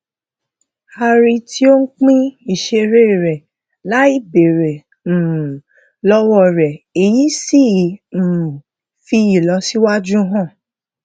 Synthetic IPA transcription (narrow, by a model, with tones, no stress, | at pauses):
ha˧ɾi˧tʰi˦o˦n̩˦k͡pĩ˦i˨ʃe˧ɾe˦˨ɾɛ˨ | la˨˦i˦˨be˨ɾẽ˨ | lɔ˦wɔ˦˧ɾɛ˨e˨ji˨˦si˦˨m̩˨ | fi˧i˨lɔ˧˦si˦wa˦d͡ʒũ˦ɦã˦˨